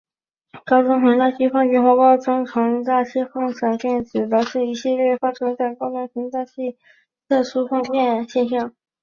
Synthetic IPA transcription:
kɑ˥ʊt͡sʊ˥ŋɕi˧˥ŋt͡sa˥˧ɕi˥˧fɑ˥˧ŋt͡ɕɛ˥nxwɔ˧˥kɑ˥ʊʈ͡ʂʊ˥ŋʈ͡ʂʰɤ˧˥ŋt͡s̪a˥˩ɕɛ˥fɑ˥˩ŋʂa˨˩nʈ͡ʂi˥˩˥t͡sɹ̩˨˩la˧˥ɪʂɻ̩˥˩i˧˩ɕi˥˧ljɛ˥˩fa˥ʈ͡ʂʰɤ˥t͡sa˥˩ɪkɑ˥ʊt͡sʊ˥ŋɕi˧˥ŋt͡s̪a˥˧ɕi˥˧ | t̪ʰɤ˥˩ʂu˥fɑ˥˧ŋt͡ɕjɛ˥˧nɕjɛ˥˧nɕ̬jɑ˥˩ŋ

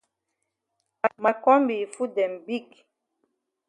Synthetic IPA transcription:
a˨ma˨kɔ˦mbi˨fu˦dɛ˨mbi˦˨k

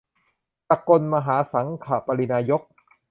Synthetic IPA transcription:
pa˧ko˧nma˧ɦaː˩˦sa˩˦ŋkʰaː˨˩pa˧li˧naː˧jo˦˥k̚

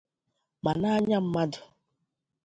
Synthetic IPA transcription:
ma˨na˦ɲa˦m̩˦ma˦dʊ̥˨

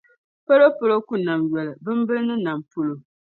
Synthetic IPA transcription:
pa˦lo˦po˦lo˦ku˦na˨mjɛ˨lɨ˨bɨ˦m˦bɨ˦lnɨ˦na˨mpu˦lo˨

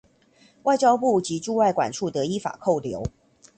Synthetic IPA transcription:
wa˥˩ɪt͡ɕjɑ˥ʊpu˥˩t͡ɕi˨˦ʈ͡ʂu˥˧wa˥˩ɪkwa̰˨˩nʈ͡ʂʰu˥˩t̪ɤ˨˦i˦˥fa̰˨˩kʰo˥˩ʊljo˨˧˦ʊ

